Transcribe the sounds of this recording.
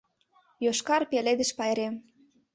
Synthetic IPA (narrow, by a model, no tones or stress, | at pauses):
joʃkɑrpeled̪ə̆ʃpɑjɾem